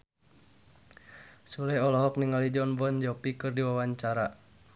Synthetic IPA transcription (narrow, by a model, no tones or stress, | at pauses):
sulɛɔlɔɦɔkniŋalid͡ʒɔnbɔnd͡ʒɔpikɨrdiwawaɲt͡ʃaɾa